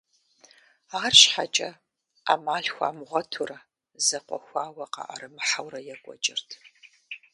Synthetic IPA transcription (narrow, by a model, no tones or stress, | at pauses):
aːrɕħat͡ʃʼɐ | amaːɬxʷa̰ːmʁʷɐtʰʊrɐ | zɐqʷɔxʷaːwɐqɑ̰ʔɐ̰ɾɨmɨħawrɐjɛkʷʼɔ̰t͡ʃʼɪrtʰ